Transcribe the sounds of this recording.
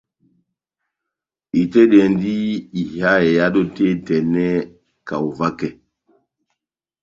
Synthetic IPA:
i˨te˦ɗɛ˨ndi˦i˨ha˦e˨ja˦ɗo˦te˦˨tɛ˨nɛ˦ | ka˨u˨va˦kɛ˨

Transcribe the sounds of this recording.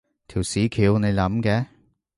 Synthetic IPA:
t̪ʰiː˨˩wsiː˨˥kʰiː˨˥wne˨˧jlɐ˨˥mkɛː˨˧˥

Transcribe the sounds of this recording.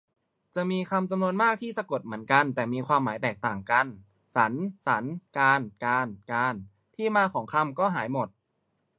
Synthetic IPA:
t͡ɕa˨˩miː˧kʰa˧mt͡ɕa˧mnu˧ənmaː˥˩k̚t̪ʰiː˥˩sa˧ko˨˩t̪̚mɯ˩˦ənka˧nt̪ɛː˨˩miː˧kʰwaː˧mːaː˩˦jt̪ɛː˨˩k̚t̪aː˨˩ŋka˧n | sa˩˦nsa˩˦nkaː˧nkaː˧nkaː˧n | t̪ʰiː˥˩maː˧kʰɔː˩˦ŋkʰa˧˥˨mkɔː˥˩ɦaː˩˦jmo˨˩t̪̚

